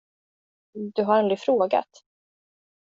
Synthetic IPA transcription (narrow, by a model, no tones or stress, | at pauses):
d̪ɵɦaɾɛnd̪ɾɪfɾoːɡa̰t̪